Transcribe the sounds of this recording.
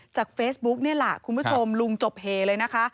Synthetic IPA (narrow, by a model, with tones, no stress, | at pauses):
t͡ɕaː˨˩k̚feː˦˥sbu˦˥k̚ni˥˩ɐla˨˩kʰu˧nbʰu˦˥t͡ɕʰo˧mlu˧ŋt͡ɕo˨˩p̚heː˨˩lɤː˧jna˦˥kʰa˦˥